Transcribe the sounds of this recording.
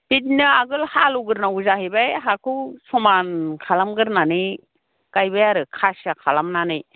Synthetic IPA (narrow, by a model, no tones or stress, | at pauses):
bit̚nɯaɡɯlhaluɡɯɾnauzaɦibajɦakʰɯsɔmankʰalamɡɯɾnanɯj | kajbajaɾɯkʰasakʰalamnanɯj